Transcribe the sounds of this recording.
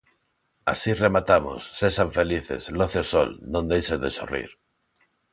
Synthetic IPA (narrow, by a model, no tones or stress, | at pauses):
a̰siremat̪amo̰sːesaɱfeliθḛzloθeoso̰lnõnd̪ejseðeso̰rḭɾ